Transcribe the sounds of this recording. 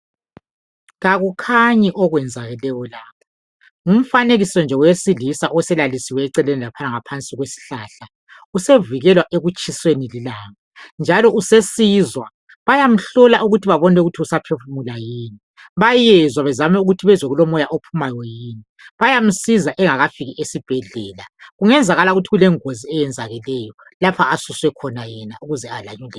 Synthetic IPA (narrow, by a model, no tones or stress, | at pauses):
ɣaɣukʰaɲiʔɔɣwɛnd͡zʱaɣɛlɛjɔlaːpʰḁ | um̩faneɣisɔnd͡ʒʱɛwjesilisaʔɔɛsɛlalisiwɛːǀɛlenilapʰanaŋapʰant͡sʼiɣwesi̥ɬaːɬa | useviɣɛlwaʔeɣut͡ʃʼʰiswenililaŋand͡ʒʱalɔʔusesizwa | βajam̩ɬɔlaʔuɣutʰiβaβɔnɛuɣutʰiusapʰefumulajiːni | βajɛzwaβɛzamɛuɣutʰiβɛzeɣulɔmɔjaʔopʰumajɔjiːni | βajam̩sizaʔɛŋaɣafiɣiʔesib̥ʱɛɮɛːlaɣuŋɛnd͡zʱaɣalauɣutʰiɣulɛŋoziɛjɛnd͡zʱaɣɛlɛjɔ | lapʰaːsuswɛkʰɔnajɛnauɣuzɛalaɲulɛ